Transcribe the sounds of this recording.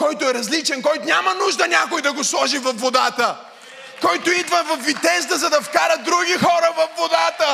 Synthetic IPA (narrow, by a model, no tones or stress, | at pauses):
kɔjt̪oɛɾɐzlit͡ʃɛnkɔjt̪ʊnʲamɐnuʒd̪ɐnʲakʊjd̪ɐɡoslˠɔʒivɐfːod̪at̪ə | kɔjt̪oid̪vɐvɐfvːit̪ɛzd̪əzɐd̪ɐfkaɾət̪̚d̪ɾuɡʲixɔɾəvɐfːod̪at̪ə